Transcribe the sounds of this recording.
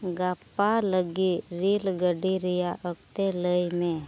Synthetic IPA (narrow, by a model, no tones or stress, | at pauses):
ɡapaləɡiɾilɡəɖiɾijaʔəkt̪eləjmẽ